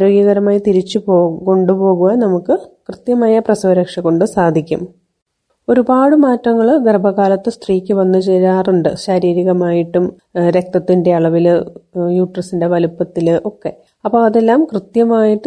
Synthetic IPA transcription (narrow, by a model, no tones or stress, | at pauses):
aɾo̞ːɡjɐɣɐɾɐmaːjit̪iɾit͡ɕːupoːko̞ɳɖupo̞ːɣuɣɐnɐmukːɨkrɨt̪jɐmaːjɐprɐsɐʋɐɾɐkʂɐkːoɳɖɨsaːd̪ʱikʲːṵm | o̞ɾubaːɽɨmaːtːrɐŋːɐɭɡerbʱɐɣaːlɐt̪ːɨst̪riːkʲːɨʋɐnːɨt͡ɕejaːruɳɖɨɕɐɾiːɾiɣɐmaːjiʈːum | ɾe̞k̚t̪ɐt̪ːinde̞ɐɭɐʋilɨjuːʈrɐsinde̞ʋɐlupːɐt̪ːilɨʔo̞kːe̞ | ɐpːoːɐðe̞lːaːmkrɨt̪jɐmaːjiʈːɨ